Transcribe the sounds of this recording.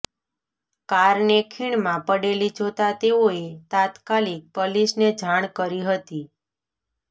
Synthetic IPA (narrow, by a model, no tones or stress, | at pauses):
kaɾnekʰiɳmãpəɽelid͡ʒot̪at̪eoet̪at̪kalik̚pəlisned͡ʒʱaɳ̃kəɾiɦət̪i